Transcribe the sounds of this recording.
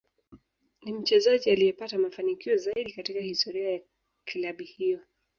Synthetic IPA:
nim̩t͡ʃɛzaʄialijɛpatamafanikiɔzaiɗikatikahistɔɾiaja | kʰilaɓihijɔ

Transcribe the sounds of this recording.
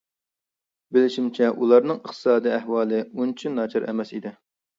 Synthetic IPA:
bɪlɪʃimt͡ʃʰɛʔulˠɑɾnɨŋəχt̪ʰɨ̥sɑːd̪iɛɦwɑːlˠɨunt͡ʃʰinːɑːt͡ʃʰɑɾɛ̰mɛsid̪ɪ

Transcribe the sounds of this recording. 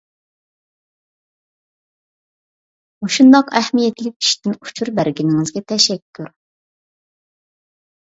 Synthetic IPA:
oʃund̪ɑqɛhmijɛt̪ʰlɪk̚ʲi̥ʃt̪ɪnu̥t͡ʃʰuɾbæɾɡʲinɪŋɪzɡʲɛt̪ʰɛʃɛkʲʰːuɾ

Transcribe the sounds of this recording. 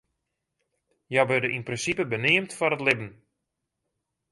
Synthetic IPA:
jaʋødəʔinprɪnsipəbənɪəmtfɔrətlɪbən̩

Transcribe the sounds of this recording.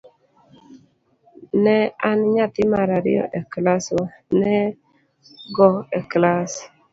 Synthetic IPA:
nɛanɲat̪ɪmaɾaɾɪ̰ɔ̰ʔɛklasɔnɛ | ɡɔɛklas

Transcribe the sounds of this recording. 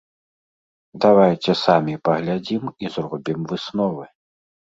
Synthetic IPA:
d̪avajt͡sʲɛsamʲipɐɣlʲad͡zʲimizrɔbʲimvɨsnɔvɨ

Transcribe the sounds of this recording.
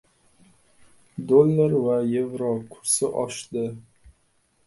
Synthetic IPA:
d̪olˠːaɾvajevɾɒkʰʊɾsɪʔɒʃd̪ɪ

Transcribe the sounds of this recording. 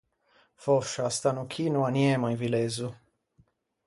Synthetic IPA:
fɔʃast̪anukʰinuanjɛmaivilezu

